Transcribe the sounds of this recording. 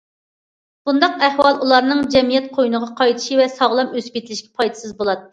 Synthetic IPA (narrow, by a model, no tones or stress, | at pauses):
b̥und̪ɑqæhwɑlˠʔulˠɑɾnɨŋd͡ʒɛmijɛt̪̚qʰojnəʁɑqʰɑjt̪ʰi̥ʃivɛsɑʁlˠɑmøsbet̪ʰlɪʃkʲɛ̥pʰɑjt̪ʰɨ̥sɨzbolˠɑt̪ːɨ